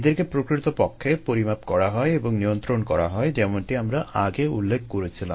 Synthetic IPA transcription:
d̪eɾkepɾokɾit̪opɔkʰːepoɾimapkɔɾaɦɔeeboŋnijont̪ɾonkɔɾa̰ɦɔed͡ʒɛmoɳʈiamɾaʔaɡeulːekʰːkoɾet͡ɕʰilam

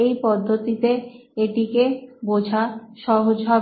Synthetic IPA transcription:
ejpɔd̪ʱːot̪it̪eeʈikebod͡ʑʱaʃɔɦod͡ʑɦɔ

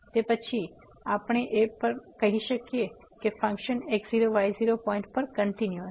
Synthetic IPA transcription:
t̪epət͡ʃʰi | apɽ̃eʔepəɾkəɦiʃəkje | kefə̃ŋkʃənekziɾoʋajziɾopɔ̃ĩɳʈ̚pəɾkəɳʈinju

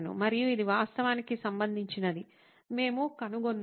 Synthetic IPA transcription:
nṵmɐɾijuid̪iʋaːst̪ʰɐʋaːnikisɐmbɐnd̪ʱiɲt͡ʃinɐd̪i | me̞ːmukɐnuɡonː

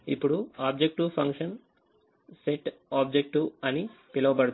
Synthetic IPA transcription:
ipuɽuabd͡ʑek̚ʈupʰɐŋkʃɐn | seʈɔːb̚d͡ʑek̚ʈuɐnipelɐwpɐɽ

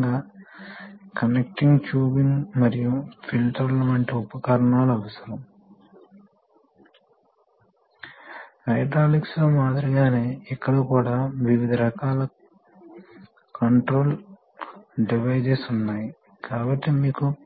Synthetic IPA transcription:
ɡaː | kɐnek̚ʈiŋɡt͡ʃuːbiŋmɐɾijufʰilʈɐɾlɐʋɐɳʈeupɐkaɾɐɳaːluɐʋɐsɐɾɐm | kɐjʈaːliksloːmaːd̪ɾɐɡaːne̞ːɛkːɐɽukuːɽaːʋiʋid̪ʱɐɾɐkaːlɐ | kɐɳʈɾo̞ːl | ɖiʋɐjd͡ʒesunːaːji | kaːbɐʈːimiːku

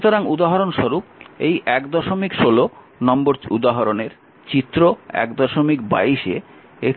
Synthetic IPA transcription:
t̪oɾaŋud̪aɦaɾonʃoɾup̚ejʔɛkd̪ɔʃomikʃolo | nɔmboɾud̪aɦaɾoneɾ | t͡ɕit̪ːɾoɛ̰kd̪ɔʃomikba̰iʃe | e

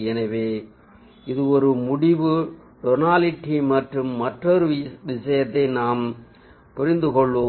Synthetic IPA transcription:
ɛnɐʋeː | ɪðɯɔɾɯmʊɽɪʋɯ | ʈɔnaːlɪʈːimɐʈrɯmːɐʈrɔɾɯʋɪsɐjɐt̪ːɐɪnaːm | pʊɾɪnd̪ɯkɔɭʋoː

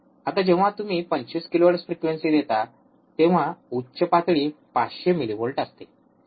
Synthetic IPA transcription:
at̪ad͡ʑeʋ̤ãt̪um̤iːpəɲt͡ɕiskiloaɽəsfɾikʋensid̪et̪a | t̪eʋ̤autːɕəpat̪ɭiːpaɕemilibolʈəst̪e

